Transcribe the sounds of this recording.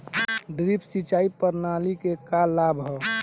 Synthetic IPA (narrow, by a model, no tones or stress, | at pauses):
ɖɾipsit͡ʃaːipəɾnalikekalabɦɔ